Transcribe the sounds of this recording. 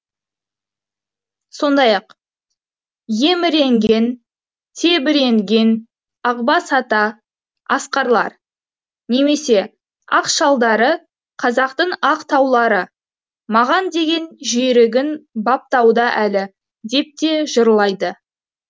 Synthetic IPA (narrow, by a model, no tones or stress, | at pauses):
so̞nd̪ɑjɑq | je̞mɪɾe̞ŋɡʲe̞n | t̪ʰe̞bɪɾe̞ŋɡʲe̞n | ɑqbɑsɑt̪ɑ | ɑsqɑɾlˠɑ̰ɾ | ne̞me̞se̞ | ɑqʃɑlˠd̪ɑɾə | qʰɑzɑqt̪əɴɑqt̪ʰɑwlˠɑɾə | mɑʁɑnd̪e̞ɡʲe̞nʒijɾɪɡʲɪnbɑp̚t̪ɑwd̪ɑʔælɪ | d̪e̞p̚t̪e̞ʒəɾlˠɑjd̪ə